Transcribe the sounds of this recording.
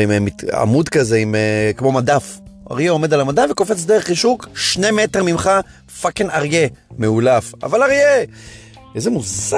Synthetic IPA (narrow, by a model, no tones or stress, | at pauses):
immia̰mud̪kaze̞imkmo̞mad̪afa̰ʁjeo̞me̞d̪alamad̪avekofe̞t͡sd̪eʁeχiʃukʃne̞me̞teʁmimχa | fakenaʁje̞meulafa̰valaʁje | ezemuza